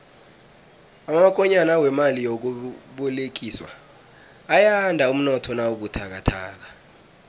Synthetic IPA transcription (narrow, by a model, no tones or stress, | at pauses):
amak̬ʼɔɲanawɛmalijok̬uɓɔlek̬iːswa̰ː | jandʱaum̩nɔtʰɔnauk̬utʰak̬atʰa̰ːk̬ḁ